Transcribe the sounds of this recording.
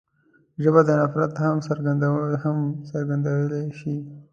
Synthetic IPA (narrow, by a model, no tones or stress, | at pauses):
ʒəbad̪ənafɾat̪hamsəɾɡand̪awhamsəɾɡand̪awəlaʃi